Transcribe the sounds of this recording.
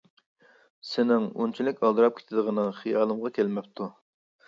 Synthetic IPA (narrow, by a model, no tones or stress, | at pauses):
sɪnɪŋṵnt͡ʃʰilɪkʲʰɑlˠd̪ɨɾɑp̚kʲʰe̥t̪ʰɪd̪əʁənɨχijɑːlˠɨmʁɑkʲʰelmɛpt̪ʰu